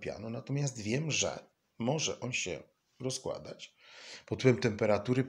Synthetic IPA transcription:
pʲja̰nɔnat̪ɔmʲjast̪vʲjɛmʐɛ̰ | mɔʐɛʔɔnɕɛ̰ | ɾɔskwa̰d̪a̰t͡ɕ | pɔt̪wɛmt̪ɛmpɛɾat̪uɾɘ

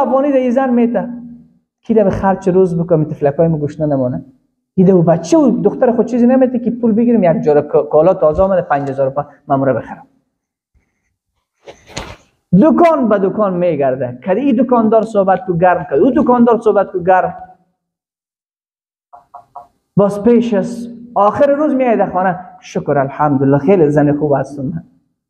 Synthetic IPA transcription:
abʁɔnid̪aizanmet̪a | kʰid̪amɪχaɾt͡ʃɪɾozbʊkʊmit̪ɪflakɔːjmʊɡuʃt̪nanamɔːna | id̪aubat͡ʃʰeud̪ʊxt̪aɾɪχʊt͡ʃʰizɪnamet̪akipulbɪɡiɾɪmjaɡ̚d͡ʒɔɾakɔlɔt̪ɔːzaɔmad̪apãɲd͡ʒazɔɾʊpa | mamuɾabɪχaɾʊm | d̪ʊkɔːnbad̪ʊkɔnmeɡaɾd̪akʰad̪iid̪ʊkɔnd̪ɔːɾsobat̪̚kuɡaɾmkad̪ud̪ʊkɔnd̪ɔːɾsobat̪̚kuɡaɾm | bɔspeːʃasɔxɪɾɪɾuzmijɔjad̪axɔnaʃʊkʊɾalħamd̪ʊllːɔxelɪzanɪxubast̪ʊma

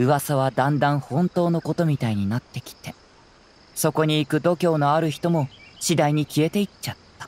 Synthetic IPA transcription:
ɯ̟βasaβ̞ad̪ãnd̪ãɰ̃hõ̞nt̪o̞ːno̞ko̞t̪o̞mʲit̪aiɲ̟inat̪ːe̞kʲi̥t̪e̞ | so̞ko̞ɲ̟iːkɯ̟d̪o̞kʲo̞ːno̞aɾɯ̟çi̥t̪o̞mo̞ɕid̪aiɲ̟ikʲie̞t̪e̞it͡ɕat̪ːḁ

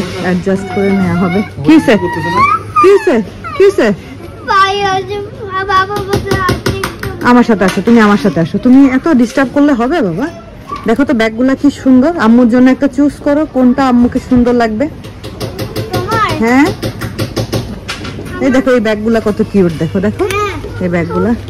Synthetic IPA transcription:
aʈ̚d͡ʑasʈkoɾenɛaɦɔbekise | kise | kise | bajad͡ʑubababɔd̪aiamaɾʃat̪ʰeaʃot̪umiamaɾʃat̪ʰeaʃot̪umiɛt̪oɖisʈab̚koɾleɦɔbebaba | d̪ɛkʰot̪obɛk̚ɡulakiʃund̪oɾamːuɾd͡ʑonːoɛk̚ʈat͡ɕuskɔɾokonʈaamːukʰeʃund̪oɾlaɡ̚be | ɦɛ̃ | ejd̪ɛkʰoejbɛk̚ɡulakɔt̪okiuʈ̚d̪ɛkʰod̪ɛkʰoejbɛk̚ɡula

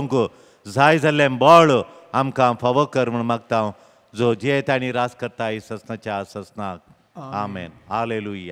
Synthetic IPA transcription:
ŋku | zaːjid͡zɐlːembɔːɭamkafɐʋokɐɾməɳmɐɡ̚t̪aːw̃ | d͡zoːd͡ʒet̪añiɾaːskɐɾt̪aːisɐsnɐt͡ʃaːsɐsnaːk̚ | aːmḛːnaːleːluja

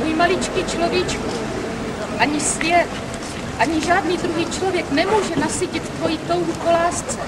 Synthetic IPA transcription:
ijmalɪt͡ʃkit͡ʃlo̞vjit͡ʃku | ʔaɲɪsvjɛt̪ | ʔaɲɪʒaːdniːd̪ɾuɦiːt͡ʃlo̞vjɛknɛmuːʒɛnasiːcɪt̪t̪vo̞jɪt̪o̞wukolaːst͡sɛ

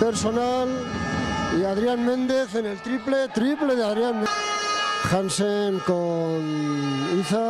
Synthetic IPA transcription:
peɾsonal | iaðɾianmẽnd̪eθenelt̪ɾiplet̪ɾipleðeaðɾjanme | xansenkoniθa

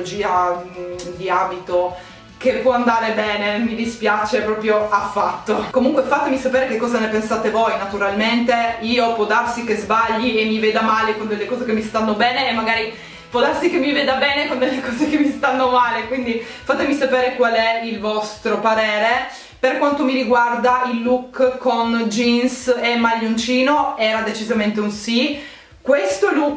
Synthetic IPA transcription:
d͡ʒiːa | d̪iaːbit̪o | kepwɔand̪aːɾebɛːnemid̪ispjaːt͡ʃepɾɔːpɾjoafːat̪ːokomuŋkwefat̪emisapeːɾekekːɔːzanepensaːt̪evojnat̪uɾalment̪eiːopwɔd̪arsikezbaʎːiemːiveːd̪amaːlekond̪elːekɔːzekemːist̪anːobɛːneːmːaɡaːɾi | pwɔd̪arsikemːiveːd̪abɛːnekond̪elːekɔːzekemːist̪anːomaːlekwind̪i | fat̪emisapeːɾekwalɛilvɔst̪ɾopaɾɛːɾe | perkwant̪omiɾiɡward̪ailːukːkːond͡ʒinsemːaʎːunt͡ʃiːnoɛːɾad̪et͡ʃizament̪eunsi | kwest̪oɛluk

